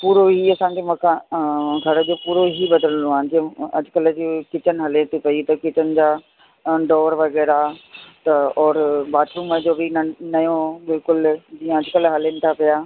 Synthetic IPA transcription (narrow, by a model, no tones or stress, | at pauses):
puːɾoɦiɐsãːkʰemɐ̃kʰãɡʱɐɽəd͡ʑoːpuːɾoɦibɐd̪ələ̃nd̪ũaːɦɪnd͡ʑiə̃ɐd͡ʑʊkəld͡ʑkɪt͡ɕənɦɐlet̪ʰipɐit̪ɐkɪt͡ɕənɪ̆d͡ʑaː | ɖɔːɾʋɐɣɛːɾat̪ɐɔːɾbaːt̪ɾũməd͡ʑoːbʱinɐjõbɪlkʊld͡ʑiːə̃ɐd͡ʑʊkəlɦɐlenɪ̆t̪ʰapijaː